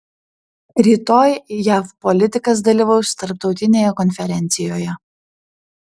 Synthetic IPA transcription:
ɾʲiːt̪oːjjæːfpɔlʲɪt̪ʲɪkɐs̬d̪ɐlʲiːʋɐʊst̪ɐɾp̚t̪ɒʊt̪ʲɪnʲeːjɛkɔnʲfʲɛɾʲɛnʲt̪sʲɪjoːjɛ

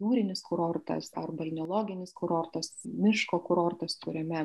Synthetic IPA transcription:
juːɾʲɪnʲɪskʊɾoɾt̪ɐ̰sɐ̰rbɐlʲnʲolˠoːɡʲɪnʲɪskʊɾoːrt̪ɐsmʲɪʃkoːkʊɾoːrt̪ɐst̪ʊɾʲɛmʲɛ

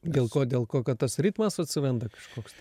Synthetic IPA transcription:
d̪ʲeːlˠkoːd̪ʲeːlˠkoːkɐt̪t̪ɐsɾʲiːt̪mɐsɐt̪ʲsʲɪʋʲɛnd̪ɐkɐ̥ʃkoːks

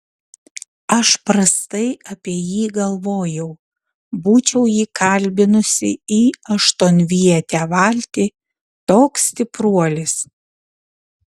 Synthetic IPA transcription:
ɐʃpɾɐst̪ɐɪɐpʲiɛjiːɡɐlˠʋoːjɛʊ | buːt͡ʃʲɛʊjiːkɐlʲbʲɪnʊsʲɪ̰iːɐʃt̪oːnʲʋʲiɛt̪ʲæːʋɑlʲt̪ʲiː | t̪oːksʲt̪ʲɪpɾuɔlʲɪs

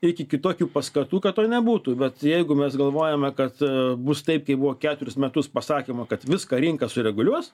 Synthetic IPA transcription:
ɪkʲɪkʲɪt̪oːkʲuːpɐskɐt̪uːkɐt̪t̪oːnʲɛbuːt̪ubʲɛt̪jɛɪɡʊmʲɛsɡɐlˠʋoːjɛmʲɛkɐt̪bʊst̪ɐɪp̚kɐɪbʊʋoːkʲæːt̪ʊɾʲɪsmʲɛt̪ʊspɐsɑːkʲeːmɐkɐt̪ʋʲɪskɐːɾʲɪŋkɐsʊɾʲɛɡʊlʲuɔs

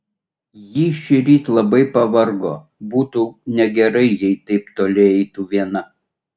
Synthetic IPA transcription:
jiːʃʲɪɾʲiːt̪lˠɐbɐɪpɐʋɐɾɡoː | buːt̪uːnʲɛɡʲɛɾɐɪjɛɪt̪ɐɪpt̪oːlʲɪɛɪt̪uːʋʲiɛnɐ

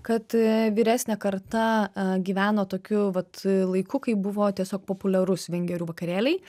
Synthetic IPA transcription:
kɐt̪ʋʲiːɾʲæːsʲnʲɛkɐɾt̪ɐɡʲiːʋʲæːnoːt̪oːkʲʊʋɐt̪lˠɐɪkʊkɐɪbʊʋoːt̪ʲiɛsʲoːk̚poːpʊlʲɛɾʊsʋʲɛŋʲɡʲɛɾʲuːʋɐkɐɾʲeːlʲɛɪ

